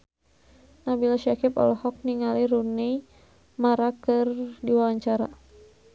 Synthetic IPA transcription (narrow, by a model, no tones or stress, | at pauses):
nahbilaʃakipɔ̰lɔhɔk̚niŋaliɾune | maɾakɨrdiwawaɲt͡ʃaɾa̰